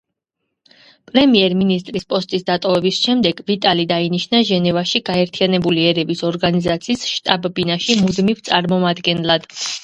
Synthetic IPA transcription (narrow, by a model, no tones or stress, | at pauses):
pʼɾɛmiɛɾminist̪ʼɾispʼɔst̪ʼisd̪at̪ʼɔvɛbisʃɛmd̪ɛɡvit̪ʼalid̪ainiʃnaʒɛnɛvaʃiɡaɛɾt̪ʰijanɛbuliɛɾɛbisɔɾɡanizat̪sʰiːsʃt̪ʼabbinaʃimud̪mivt̪sʼaɾmɔmad̪ɡɛnlˠad̪̥